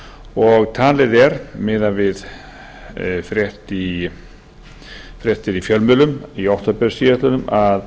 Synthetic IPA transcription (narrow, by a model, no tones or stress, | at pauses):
ɔɣt̪ʰaːlɪðɛɾmɪːðavɪð | fɾjɛht̪i | fɾjɛht̪ɪɾifjœlmʏlʏmiowht̪apɛɾ̥siːat̪ʏnʏmað